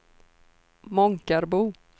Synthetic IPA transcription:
mɔŋkaɾbuː

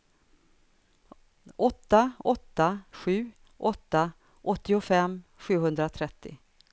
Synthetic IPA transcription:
ʔɔt̪ːaɔt̪ːaɧʉ̟ː | ʔɔt̪ːa | ʔɔt̪ːɪʊfɛmːɧʉ̟ːɦɵnd̪ɾat̪ʰɾɛt̪ːɪ̰

